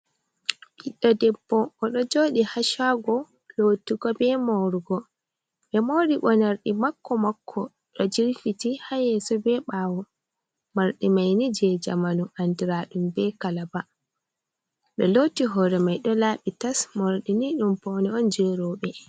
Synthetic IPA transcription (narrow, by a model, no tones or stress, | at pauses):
ʔiɗːadɛbːɔʔːɗɔd͡ʒoːɗihaʃaɡɔ | lotiɡɔbɛmawɾuɡɔ | ɓɛmowɾiɓɔnaɾɗimakːɔmakʰːɔ | ɗɔd͡ʒiɾfitihajɛsɔbɛɓaːwɔ | maɾɗimajnid͡ʒɛd͡ʒa̰manuandiɾaɗumbɛkalaba | ɗɔlotiɦɔɾɛmajɗɔlaːɓitasmɔɾɗiniɗumpɔnɛɔnd͡ʒɛɾɔɓɛ